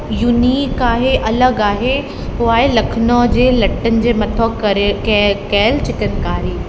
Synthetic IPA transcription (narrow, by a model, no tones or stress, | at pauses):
juniːkaːɦeʔɐləɡaːɦe | ɦuaːɦelɐkʰnod͡ʑeːlɐʈənɪ̆d͡ʑeːmɐt̪ʰok | kɛːlt͡ɕɪt̪ən̆kaːɾiː